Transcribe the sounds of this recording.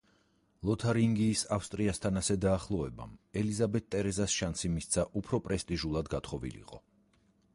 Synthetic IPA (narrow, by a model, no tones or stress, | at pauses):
lˠɔt̪ʰaɾiŋɡiːsafst̪ʼɾiast̪ʰanasɛd̪aːχlˠɔɛba̰mɛlizabɛt̪̚ʰt̪ʼːɛɾɛzasʃansimist̪sʰaʔupʰɾɔpʼɾɛst̪ʼiʒulˠad̪ɡat̪ʰχɔvḭlḭqʼɔ